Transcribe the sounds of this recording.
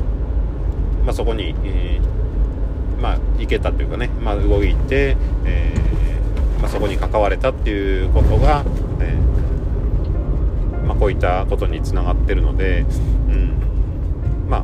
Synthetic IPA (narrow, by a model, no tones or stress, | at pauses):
maso̞ko̞ɲ̟ie | maike̞t̪at̪ːe̞jɯ̟kane̞maɯ̟ɡo̞it̪e̞eː | maso̞ko̞ɲ̟ikakaβaɾe̞t̪at̪ːe̞jɯ̟ko̞t̪o̞ɡa | e | mako̞ːit̪ːako̞t̪o̞ɲ̟it͡sɨnaɡat̪ːe̞ɾɯ̟no̞̰d̪e̞ɯ̟̃ɴ | ma̰